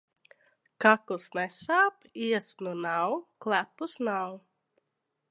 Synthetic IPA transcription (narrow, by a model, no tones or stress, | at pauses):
kaklˠsnɛsaːpiɛsnunawklˠæpusnaw